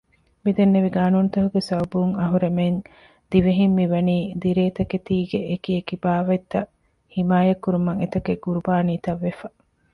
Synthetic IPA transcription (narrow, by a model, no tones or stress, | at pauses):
mid̪enːeʋiɡaːnunt̪ɐɦuɡesɐwbuŋɐɦuɾemen | d̪̥iʋeɦimːiʋɐniːd̪iɾeːt̪ɐket̪iːɡeʔekiekibaːʋɐit̪ːɐ | himaːjɐkːuɾumɐŋet̪ɐkeɡuɾubaːniːt̪ɐʋːefɐ